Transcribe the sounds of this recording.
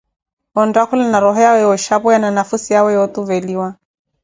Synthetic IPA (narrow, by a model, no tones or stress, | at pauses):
ɔndakulɛnaɾɔɦɔjawɛjɔʃapɔjananafusijawɛjɔt̪uvɛliwa